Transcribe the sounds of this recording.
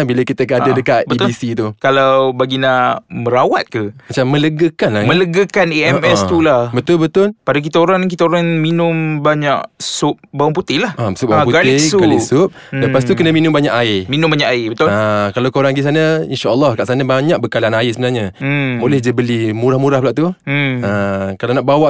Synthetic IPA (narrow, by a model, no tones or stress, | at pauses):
biləkit̪ək̬əadadəkat̪̚bəit̪sit̪ukalawbaɡinaməɾawat̪̚kəat͡ʃamːə̃ləɡəkanlamə̃ləɡəkaneɛmɛst̪ulahbət̪ʊlbət̪ʊlpadak̬it̪aoɾaŋkit̪aoɾaŋminʊmbaɲaʔsʊp̚bauŋput̪ɪlahʔasʊbaapuɡalt̪iɪɡalisʊp̚ləpas̬t̪ukənəminʊ̃mbaɲaʔaɪminʊmbaɲaʔaɪbət̪ʊlakalawkoɾaŋɡis̬anainʃaʔəlˠːɑhkaʔsanabaɲaʔ̚bəkalaanaɪsəbənalɲamolɛhd͡ʒəbəlimuɾahmuɾahplaʔt̪uəkalanaʔbawaʔ